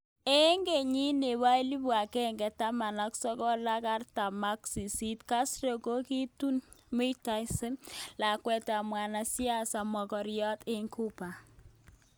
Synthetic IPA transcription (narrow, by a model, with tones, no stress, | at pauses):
e˦ŋɡe˨ɲi˦ne˨wa˦i˦li˦bwa˨kɛ˦ŋɡɛ˨ta˦ma˨na˦ksɔ˦kɔ˦la˦ka˦rta˨ma˦ksi˨si˦tka˦sɾe˨ko˦ki˦tu˦n | mi˦ta˦isɪ˦nla˨kwɛ˦ta˨mwa˨na˨si˦a˦sa˨mɔ˨kɔ˨ɾjɔ˦te˦ŋkʰu˦pa˨